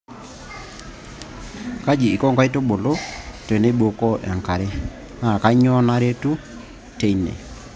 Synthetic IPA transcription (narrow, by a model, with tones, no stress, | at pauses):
ka˦d͡ʒiː˨kɔ˦ŋɡa˦i˦to˦ɓo˨lo˦te˨ne˦ɓo˨kɔ˦ʔa˨ŋka˨ɾe˦ | na˦˨ka˦ɲɔ˦na˦ɾe˦tu˦ | te˦inɛ̰˨